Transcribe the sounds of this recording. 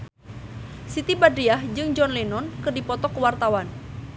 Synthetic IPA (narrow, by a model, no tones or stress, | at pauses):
sit̪ibadɾiahd͡ʒɨŋd͡ʒɔnlɛnɔnkɨrdipɔt̪ɔkəwart̪awan